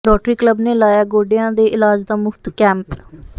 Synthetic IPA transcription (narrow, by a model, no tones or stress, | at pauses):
ɾɔːʈɾiːkləbneːlaːjaːɡoːɖɪjãːd̪eːʔɪlaːd͡ʒd̪aːmʊfʰt̪kɛ̃ːmp